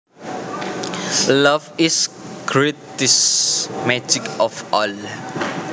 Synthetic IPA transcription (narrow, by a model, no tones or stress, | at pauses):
laviskʰɹitismad͡ʒikɔfɔl